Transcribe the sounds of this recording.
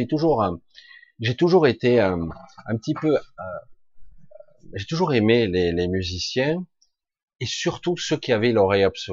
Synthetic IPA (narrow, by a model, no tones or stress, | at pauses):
it̪uʒuʁə̃ | ʒet̪uʒuʁet̪eø̃ɛ̃pət̪ipøø | ʒet̪uʒuʁemelelemyzisjɛ̃ | esyʁt̪usəkʲiavɛlɔʁɛjabsɔ